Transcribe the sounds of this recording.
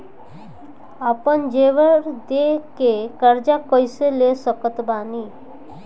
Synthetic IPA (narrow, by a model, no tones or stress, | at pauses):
apənd͡ʒeʋəɾd̪ekekəɾd͡ʒakɔjselesəkət̪bani